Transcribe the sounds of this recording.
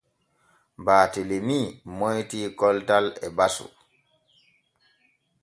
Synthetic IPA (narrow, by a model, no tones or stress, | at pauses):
baːtelemiːmojtiːkɔltalɛbasṵ